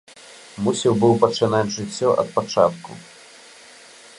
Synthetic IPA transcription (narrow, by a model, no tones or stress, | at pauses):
musʲiwbɨwpɐt͡ʂɨnad͡zʲʐɨt͡sʲːɔʔɐ̰t̪̚pat͡ʂa̰t̪kṵ